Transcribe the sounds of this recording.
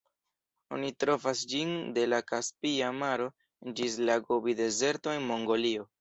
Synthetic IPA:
o̞̰nitɾo̞fasd͡ʒinde̞lakaspiamaɾo̞ | end͡ʒis̬laɡobide̞ze̞ɾto̞e̞nmo̞ŋɡo̞lio̞

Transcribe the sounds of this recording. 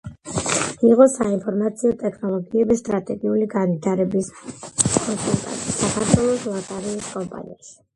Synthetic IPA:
iʁɔsainpʰɔɾmat̪sʰiɔt̪ʼɛkʰnɔlˠɔɡiɛbist̪ʼɾat̪ʼɛɡiuliɡanwit̪ʰaɾɛbis | ɔkʼɔmpʼa̰t̪ʼisakʰaɾt̪ʰwɛlˠɔslˠat̪ʼaɾiiskʼɔmpʼa̰nḭaʃi̥

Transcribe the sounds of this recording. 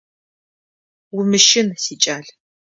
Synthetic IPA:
wʊmɨʃɪnsiːt͡ʃʼaːɮ

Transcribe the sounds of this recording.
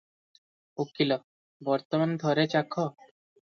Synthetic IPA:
okːilɔ | bɔɾt̪omand̪ʱɔɾet͡ɕakʰːɔ

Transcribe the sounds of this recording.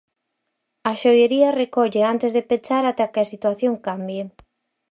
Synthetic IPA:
ɐʃojeɾiɐrekɔʎeant̪ezðepet͡ʃaɾat̪akɪasit̪waθjoŋkambje

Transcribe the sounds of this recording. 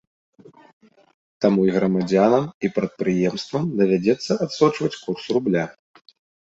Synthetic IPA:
t̪amuiɣɾɐmad͡zʲanɐmipɾɐt̪̚pɾɨjɛmst̪vɐmd̪ɐvʲad͡zʲɛt̪sːɐʔat̪sɔt͡ʂvɐt͡sʲkursrublʲa

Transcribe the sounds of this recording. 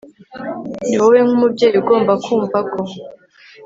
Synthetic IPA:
niwoweŋhumubɟeːjuɡo̞ːmbakuːmvako

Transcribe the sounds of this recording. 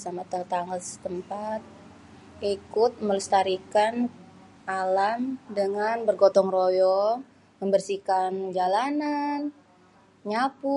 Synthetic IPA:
samat̪əŋt̪aŋəsə̥t̪əmpat̪̚ | ikʊt̪̚mələst̪aɾikan | ʔalamdəŋanbərɡɔt̪ɔŋrojɔ | məmbərsikand͡ʒalanan | ɲapʊ

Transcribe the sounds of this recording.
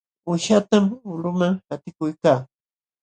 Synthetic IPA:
ʊʃat̪amʊlʊmaŋhat̪ɪkʊjkaː

